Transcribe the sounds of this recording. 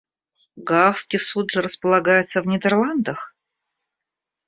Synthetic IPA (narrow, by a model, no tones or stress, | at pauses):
ɡafskʲɪsut̪ʐɨɾəspəlˠɐɡajɪt̪səvnʲɪd̪ʲərlˠand̪əx